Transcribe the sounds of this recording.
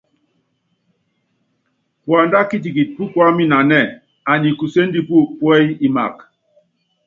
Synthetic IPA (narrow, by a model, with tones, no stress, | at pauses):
kwa˨nda˦ki˦t̬i˨ki˨pu˦kwa˦mi˦na˨nɛ˦˨ | a˨ɲi˨ku˨se˦n˦di˦pu˦˨pwɛ˦ji˦ma̰˨k